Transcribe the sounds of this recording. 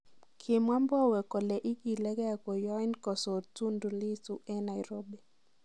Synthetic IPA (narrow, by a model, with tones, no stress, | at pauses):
kʰɪ˨mwa˦mbɔ˦wɛ˨kɔ˨lɛ˨ʔi˦ki˨lɛ˦ɡɛ˦a˨kɔ˨jɔ˦i˦nkɔ˨sɔ˨tu˦ndu˨li˦tu˨ʔɛ˦na˨jɾo˦be˨